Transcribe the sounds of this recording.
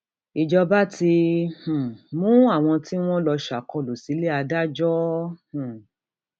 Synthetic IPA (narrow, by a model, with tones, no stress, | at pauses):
i˨d͡ʒɔ˧ba˦ti˧h̩˨mũ˦a˦˨w̃ɔ̃˧ti˦w̃ɔ̃˦lɔ˧ʃa˨kɔ˧lo˨si˨˦le˦a˧da˦d͡ʒɔ˦h̩˨